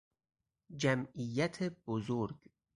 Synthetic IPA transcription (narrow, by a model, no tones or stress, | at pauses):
d͡ʒæmijːæt̪ʰebozoɾɡ